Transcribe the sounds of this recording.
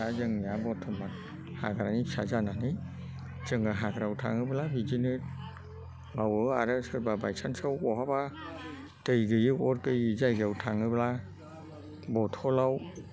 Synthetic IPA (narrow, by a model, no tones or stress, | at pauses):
azɯŋiabɔtʰɔmat̚ | ha̰ɡaɾanisʰazananɯ | zɯŋaɦaɡɾawtʰa̰ŋɯbɯlabid͡ʒinɯt̚ | bawɯaɾɯsɯt̚babajsʰansawkɔɦaba | tɯjɡɯjɯɔt̚kɯjɯzajɡawtʰaŋɯbla | bɔtʰɔlaw